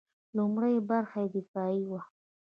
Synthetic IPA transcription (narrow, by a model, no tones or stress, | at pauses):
lumɽəjbaɾxajed̪ɪfɑiwa